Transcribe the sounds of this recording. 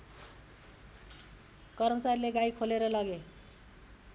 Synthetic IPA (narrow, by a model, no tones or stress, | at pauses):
kʌrmʌt͡sarileɡajkʰoleɾʌlʌɡe